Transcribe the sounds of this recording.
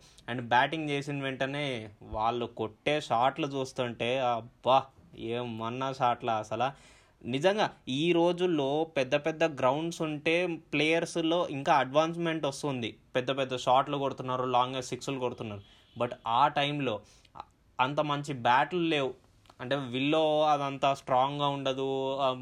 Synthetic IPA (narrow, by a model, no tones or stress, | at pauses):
ɐɳɖbaːʈiŋɡt͡ʃeːsinʋeɳʈɐne̞ːʋaːɭːukoʈːe̞ːʃaːʈlɐt͡ʃuːst̪uɳʈe̞ːɐbaeːmɐnːɐʃaːʈlɐɐsɐlaː | nid͡ʒɐŋɡaːiːɾo̞ːd͡ʒulːo̞ːpɛd̪ːɐpɛd̪ːɐɡɾɐwɳɖsuɳʈe̞ːpleːjɐɾslo̞ːʔiŋkaːɐɖʋaːns̬me̞ɳʈɐst̪und̪ipɛd̪ːɐpɛd̪ːɐʃaːʈlukoɽut̪unːaːɾulaːŋɡeːsikslukoɽut̪unːaːɾu | bɐʈaːʈɐjmlo̞ː | ɐnt̪ɐmɐɲt͡ʃibaːʈɐlle̞ːwu | ɐɳʈe̞ːʋilːo̞ːɐd̪ɐnt̪aːsʈɾaːŋɡaːuɳɖɐd̪u